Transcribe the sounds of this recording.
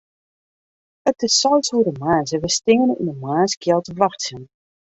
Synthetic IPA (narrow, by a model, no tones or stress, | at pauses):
ətəssɔlsuəɾəmaːzəʋəstɪŋənəy̰nəmaːskjɛlˠtəʋaxsən